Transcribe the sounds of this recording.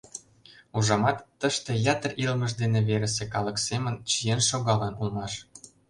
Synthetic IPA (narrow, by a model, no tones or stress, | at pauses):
uʒɑmɑt̪ːə̆ʃt̪ĕjɑt̪ərilmə̆ʒd̪eneβeɾə̆s̬ĕkɑlɤ̆ksemənt͡ɕijenʃoɣɑlɑnulmɑʃ